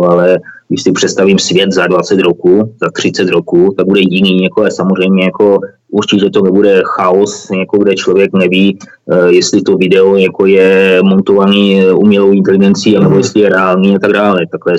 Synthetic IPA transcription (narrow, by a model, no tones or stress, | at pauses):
alɛɡɪʃsɪpr̝̥ɛt̪st̪avimsvjɛt̪zadvat͡sɛt̪ɾo̞kuzat̪r̝̥ɪt͡sɛt̪ɾo̞kut̪aɡ̚budɛjɪniːɲakoasamor̝ɛjmɲɛjako̞ | ʔuɾt͡ʃɪcɛt̪onɛbudɛxaosjako̞ɡdɛt͡ʃlovjɛknɛviː | jɛst̪lɪt̪o̞vɪdɛojako̞jɛmo̞nt̪ovaniːʔṵmɲɛlowʔɪnt̪ɛlɪɡɛnt͡siːanɛbojɛslɪjɛɾɛaːlniːat̪aɡdaːlɛt̪aklɛ